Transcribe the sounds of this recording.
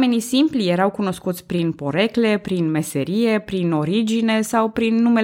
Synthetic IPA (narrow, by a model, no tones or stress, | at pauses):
me̞nisimplije̞ɾawkuno̞skut̪sʲpɾinpo̞ɾe̞kle̞pɾinme̞se̞ɾije̞pɾino̞ɾid͡ʒine̞sawpɾinːume̞